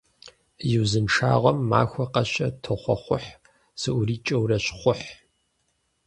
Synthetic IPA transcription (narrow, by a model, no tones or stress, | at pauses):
jɪwzɨnʂa̰ːʁʷɐmːaːxʷɔqɐɕɐtʰɨχʷɔ̰χʷʊħ | sɨʔʷʊriːt͡ʃʼɐwrɐɕχʷʊħ